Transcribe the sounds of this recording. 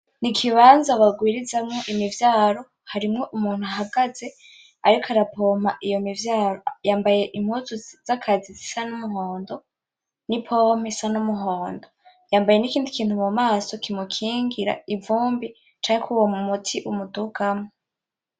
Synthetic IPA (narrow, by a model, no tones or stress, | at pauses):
nikʰiβaːnzaβaɡwiːɾizamŋo̞ʔimivjaːɾo̞ | haɾimŋo̞ʔumuːn̥huaɦaɡaze̞ | aɾikʰaɾapʰo̞ːm̥aʔijo̞mivjaːɾojaːmbaje̞ʔim̥huzuziz̥akʰazizisanumuɦoːndo̞ | nipʰom̥isanumuɦoːndo̞ | jaːmbaje̞nikiːndikʰiːntumumaːso̞kimukʰiːŋɡiɾa̰ivuːmbi | t͡ʃaːŋekʰuwomumutʰiʔumuduɡamo